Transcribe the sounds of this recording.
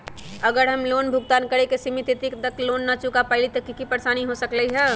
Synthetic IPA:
əɡəɾɦəmloːnbʱʊɡ̚t̪aːnkəɾekesimit̪it̪ikd̪əkloːnːat͡ʃukapəɪlit̪ɐkikipəɾsaːniɦosəkləiɦɛː

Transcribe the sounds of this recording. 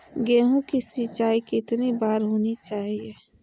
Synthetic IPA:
ɡeːɦũkisit͡ʃaːikiɪt̪nibaːɾɦoːnit͡ʃaːɦieː

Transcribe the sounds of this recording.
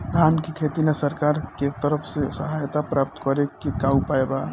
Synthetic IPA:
d̪ʱaːnkikʰeːt̪inesəɾkaːɾket̪əɾəpʰsesəɦaːjt̪apɾaːp̚t̪kɔɾekekaːupaeba

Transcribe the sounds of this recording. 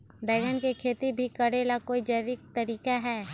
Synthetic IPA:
d̪ɛːɡənkekʰeːt̪ibʱikəɽelakoːid͡ʒəjʋɪk̚t̪ɐɾiːkaɦɛː

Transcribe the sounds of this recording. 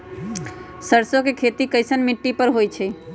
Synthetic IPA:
səɾsokekʰet̪ikəjsənmiʈːipəɾɦojt͡ʃʰɛ

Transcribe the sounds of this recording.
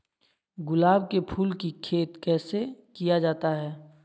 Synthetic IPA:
ɡʊlaːbkepʰuːlkikʰeːt̪kɛːsekijad͡ʒaːt̪aɦɛː

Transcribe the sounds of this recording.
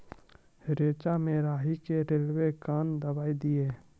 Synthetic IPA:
ɾeːt͡ʃamẽɾaːɦikeɾeːlwekaːnd̪əbaːid̪ieː

